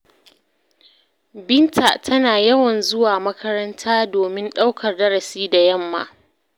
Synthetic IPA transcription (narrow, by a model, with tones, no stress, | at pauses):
bɪ˦ntʰa˨tʰɐ˦naː˨jɐ˦wɐ˨nzʊ˦waː˨mɐ˦kʰɐ˦ɾɐ˦ntʰaː˦doː˨mɪ˦nɗa˦wkɐ˨rdɐ˦ɾɐ˨siː˦da˨jɐ˦˨mːa̰ː˨